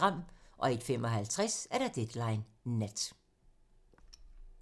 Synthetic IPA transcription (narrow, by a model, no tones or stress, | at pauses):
ʁɑ̈m̰ʔɒ̽e̝d̥fem̰ɒ̽ɦælt͡sʰʁɛsæɐɾ̥ɑ̈d̥ed̥lɑ̈ɪnːed̥